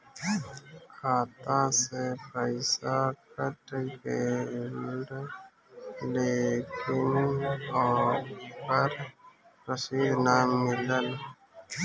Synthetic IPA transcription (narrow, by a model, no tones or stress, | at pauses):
kʰaːt̪asepɾəɪsakəʈkelɖ | lekʰɪnɔːpəɾ | pɾəsiːd̪ʱnamɪləl